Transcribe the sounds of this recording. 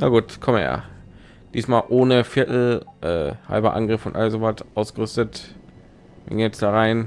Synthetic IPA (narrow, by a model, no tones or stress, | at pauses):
naɡuːtkʰɔməja̰ː | d̥iːsmaːlʔoːnəfɪɐtl̩ʔɛ̰ːha̰lbɐʔa̰nɡʁɪfʊntʔa̰ləszovatʔaʊsɡ̥əʁʏstət | hɪ̰ŋjɛt͡sd̥aːʁaɪn